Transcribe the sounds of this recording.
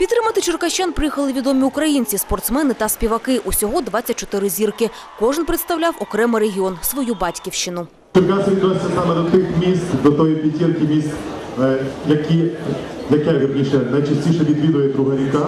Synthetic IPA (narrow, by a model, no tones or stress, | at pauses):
pʲid̪t̪ɾɪmɐt̪ɪt͡ʃɪrkɐʃt͡ʃanpɾɪjixɐlˠɪʋʲid̪ɔmʲiʊkɾɐjinʲt͡sʲispɔrt̪smɛnɪt̪ɐspʲiʋɐkɪʔusʲɔɦɔd̪ʋɑt͡sʲːɐt̚ʲt͡ʃɔt̪ɪɾɪzʲirkɪ | kɔʒɪnpɾet̪st̪ɐwlʲawɔkɾɛmɪɾeɦʲiɔnsʋɔjubɑtʲkʲiwʃt͡ʃɪnʊ | t͡ʃɪrkasʲiʋʲid̪nɔesʲɐsɑmɛd̪ɔt̪ɪxmʲist̪d̪ɔt̪ɔjipʲitʲːilkʲimʲist̪ | jɐkʲi | jɐkɛʋʲirnʲiʃɛnɐjt͡ʃɐsʲtʲiʃɛʋʲid̪ʋʲid̪ʊjɛd̪ɾuɦɛɾʲikɑ